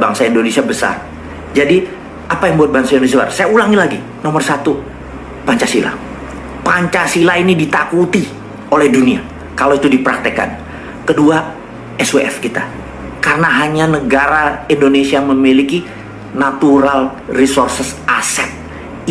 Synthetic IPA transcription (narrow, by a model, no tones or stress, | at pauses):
baŋsaindonesiabəsa̰r | d͡ʒadi | apajaŋbuat̪̚baŋsaindonsua̰rsajaulaŋilaɡi | nɔmərsat̪u | paɲt͡ʃasila̰ | paɲt͡ʃasilainidit̪akut̪i | olɛhdunia̰ | kaloit̪udipəɾak̚t̪əka̰n | kədua | ɛsueɛ̰fkit̪a | karənaɦaɲanəɡaɾaindonesiaməmiliki | nat̪uɾal | risorsəsasɛt̪̚